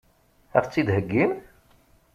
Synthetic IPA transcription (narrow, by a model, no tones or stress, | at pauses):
æ̰ft͡sːid̪ɦəɡːim